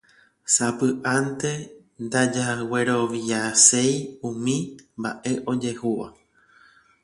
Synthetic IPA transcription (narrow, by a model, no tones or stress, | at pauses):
sapɨʔant̪e̞ | nd̪ad͡ʒaweɾo̞ʋiase̞jũmĩmba̰ʔe̞ʔo̞d͡ʒe̞huʋa̰